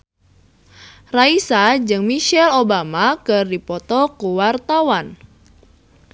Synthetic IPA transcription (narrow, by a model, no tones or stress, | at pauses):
raisad͡ʒɨŋmiʃɛlobamakɨrdipɔt̪ɔkuwart̪awan